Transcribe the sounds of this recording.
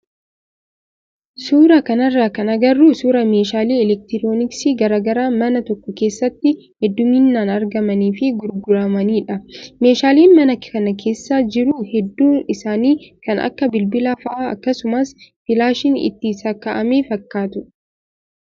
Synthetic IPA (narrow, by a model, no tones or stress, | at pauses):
suːɾɐkɐnɐrːaːkɐnɐɡɐrːuːsuːɾɐme̞ːʃaːliːɛlɛk̚t̪ɪɾoːnɪksiɡɐɾaːɡɐɾaːmɐnɐt̪ɔkːɔke̞ːsːɐt̪ːɪ | hɛd̪ːʊmɪnːaːnɐɾɡɐmɐniːfɪɡʊɾɡʊɾɐmɐniːᶑɐme̞ːʃaːleːnmɐnɐkkɐnɐkʰe̞ːsːaːd͡ʒɪɾuːhɛd̪ːuːɪsaːniːkɐnɐ̰kːɐbɪlbɪlɐfɐʔaːɐ̰kːɐsʊmɐsfɪlaːʃɪnɪ̰t̪ːɪːsakɐʔɐmeːfɐkːaːt̪ʊ